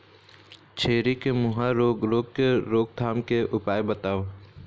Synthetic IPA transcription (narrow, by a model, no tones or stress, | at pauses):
t͡ʃʰeːɾikemʊɦaɾoːɡɾoːɡkeɾoːɡ̚d̪ʰʱaːmkeʔʊpaːebət̪aːo